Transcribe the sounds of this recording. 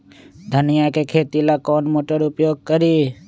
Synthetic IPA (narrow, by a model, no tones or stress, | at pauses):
d̪ʱənɪjakekʰeːt̪ilakɔːnmoːʈəɾʊpjoːɡ̚kəɾiː